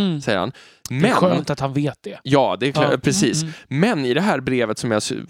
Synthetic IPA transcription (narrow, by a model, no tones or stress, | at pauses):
sɛjəɾha̰n | mɛɧøːmt̪at̪hanveːt̪̚d̪ɛjɑːd̪ɛkpʰɾɛsiːsmɛnɪd̪ɛɦæːɾbɾeːvət̪sɔmjɑs